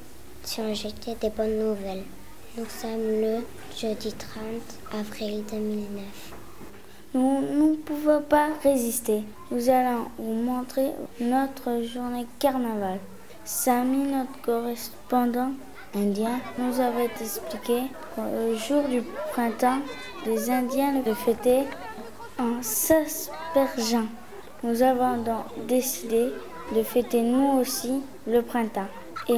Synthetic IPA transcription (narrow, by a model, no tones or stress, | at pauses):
siɔ̃ʒet̪ɛd̪ebɔnːuvɛl | nusɔmlə | ʒ̥ød̪it̪χɑ̃t̪ | avʁild̪əmilnœf | nunəpuvɔ̃paʁezist̪e | nuzalɔ̃vumɔ̃t̪χenɔt̪χəʒuʁnekaʁnaval | saminɔt̪χəkɔʁɛs | pɑ̃d̪ɑ̃ | ɛ̃d̪jɛ̃nuzavɔ̃t̪ɛksplikʲe | kləʒuʁd̪ypχɛ̃t̪ɑ̃ | d̪ezɛ̃d̪jɛ̃ləd̪əfɛt̪e | ɑ̃saspɛʁʒɑ̃ | nuzavɔ̃d̪ɔ̃d̪esid̪e | d̪əfɛt̪enuosi | ləpχɛ̃t̪ɑ̃ | e